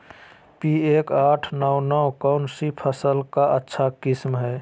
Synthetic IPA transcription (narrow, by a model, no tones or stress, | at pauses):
pieːkaːʈʰnɔwnɔwkaʊnsipʰəsəlkaʔətːʃʰakɪsmɦɛː